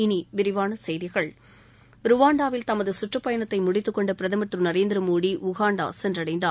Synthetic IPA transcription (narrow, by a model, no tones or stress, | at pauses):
ɪniʋɪɾɪʋaːnɐsɛjðɪɣɐɭ | ɾʊʋaːɳɖaːʋɪlt̪ɐmɐðɯsʊʈrɐpːɐjɐɳɐt̪ːɐɪmʊɽɪt̪ːɯkːɔɳɖɯpɪɾɐðɐmɐʈ̪rɯnɐɾeːnd̪ɪɾɯmuːɽiʔʊɣaːɳɖa̰ːsɛndrɐɽɐɪnd̪aː